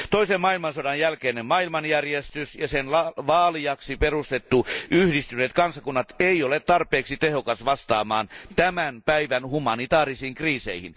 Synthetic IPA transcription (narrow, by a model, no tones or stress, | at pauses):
t̪oisemmɑilmɑnsodɑnjælkeːnemmɑilmɑnjærjest̪ysjɑsenlɑʋɑːliɑksiperust̪et̪ːuʔyhdist̪yneːt̪kɑnsɑkunːɑt̪eiolet̪t̪ɑrpˑeːksit̪ehokɑsʋɑst̪ɑ̰ːmɑ̰ːnt̪æmænpæiʋænhumɑnit̪ɑːrisiːŋkriːsḛihḭn